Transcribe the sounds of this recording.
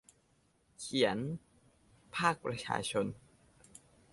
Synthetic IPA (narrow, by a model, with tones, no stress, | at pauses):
kʰi˩˦ən | pʰaː˥˩k̚pɾa˧t͡ɕʰa̰ː˧t͡ɕʰo˧n